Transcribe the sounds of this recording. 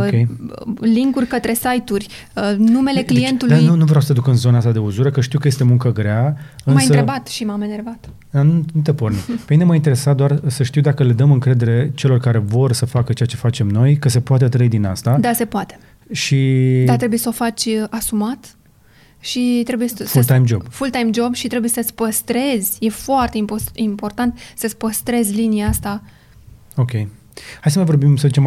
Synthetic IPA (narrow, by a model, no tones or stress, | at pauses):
kejliŋkurʲkət̪ɾe̞sajt̪urʲ | ənume̞le̞kleient̪ulud̪anunuvɾeawsəd̪ukɨnzo̞nəast̪ad̪euzuɾəkəʃt̪iwkəje̞st̪e̞muŋkəɡɾeaɨnmajɨsəɾebat̪ʃimameneɾbat̪ | d̪anunut̪epo̞rnipemineməint̪eɾe̞sat̪̚d̪oarsəʃt̪iwd̪akəle̞d̪əmɨŋkɾe̞d̪e̞ɾe̞t͡ʃe̞lo̞rkaɾe̞vo̞rsəfakət͡ʃeat͡ʃe̞fat͡ʃe̞mno̞jkəse̞poat̪̬et̪ɾəid̪ina̰st̪ad̪ase̞poat̪e̥ | ʃi̥at̪ɾe̞buje̞səo̞fat͡ʃʲasumat̪ | ʃit̪ɾe̞buje̞sfult̪ajmd͡ʒo̞̰bb̥fult̪ajmd͡ʒo̞bʃit̪ɾe̞bujesəsʲpəst̪ɾe̞zʲje̞foart̪e̞impoimpo̞rt̪ant̪səsʲpəst̪ɾe̞zʲlinijaast̪a | o̞kʲe̞j | hajsəmajvo̞rbimsəzit͡ʃem